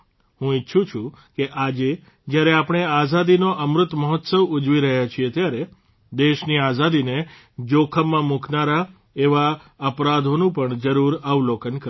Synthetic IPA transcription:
hũɪtːʃʰũt͡ʃʰũ | keʔad͡ʒe | d͡ʒjaɾeapɽ̃eazad̪inoʔəmɾʊt̪məɦɔt̪səʋʊd͡ʒʋiɾəɦjat͡ʃʰiet̪jaɾe | d̪eʃniazad̪ine | d͡ʒokʰəmːãmuknaɾa | eʋa | əpɾad̪ʱonũpəɳd͡ʒəɾuɾəʋlokənkə

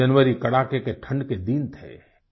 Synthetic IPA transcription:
ɐnʋəɾikɐɽaːkekeʈʰə̃ɳɖked̪int̪ʰɛ̰ː

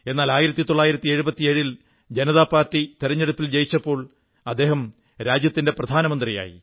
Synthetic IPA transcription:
e̞nːaːlaːjiɾɐt̪ːit̪oɭːaːjiɾɐt̪ːieɻubɐt̪ːieɻil | d͡ʑenɐðaːpːaːrtːit̪iɾɐɲːe̞ɽupːild͡ʑejit͡ɕːɐpːo̞ːɭ | ɐd̪ːe̞ːɦɐm | ɾaːd͡ʑjɐt̪ːinde̞prɐd̪ʱaːnɐmɐnd̪rija̰ːjḭ

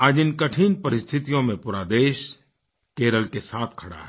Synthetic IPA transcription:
aːd͡ʒɪnkəʈʰiːnpɐɾɪst̪ʰɪt̪ijõmẽpuːɾaːd̪eːʃ | keːɾəlkesaːt̪ʰkʰɐɽa̰ɦɛ

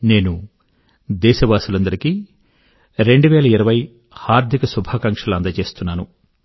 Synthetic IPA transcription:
ne̞ːnu | d̪ɛːʃɐʋaːsulɐnd̪ɐɾiki | ɾe̞ɳɖuʋɛːlɐiɾɐʋɐj | haːɾd̪ʱikɐsubʱaːkɐŋkʂɐlɐnd̪ɐt͡ʃe̞ːst̪unːaːnu

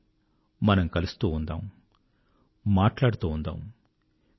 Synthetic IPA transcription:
mɐnɐmkɐlust̪uːund̪a̰ːm | maːʈlaːɽut̪uːnd̪a̰ːm

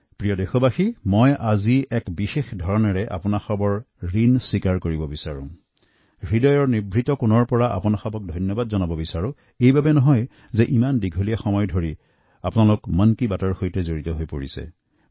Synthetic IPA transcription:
pɹijɔdexɔbaximɔjʔaziɛkbixexdʱɔɹɔnɔɹɛʔa̰pʊnaxɔbɔɹ | ɹinsikaɹkoɹibɔbisaɹʊ̰̃ | ɹidɔjɔɹniɹbʱɹitɔkunɔɹpɔɹaʔa̰pʊnaxabɔk̚dʱɔjnjɔbadzɔnabɔbisaɹũ | ejbabɛnɔɦɔj | zɛʔimandiɡʱolijaxɔmɔjdʱoɹi | apʊnalʊkmənkibatɔɹxojtɛzoɹitɔɦojpo̰ɹḭsɛ̰

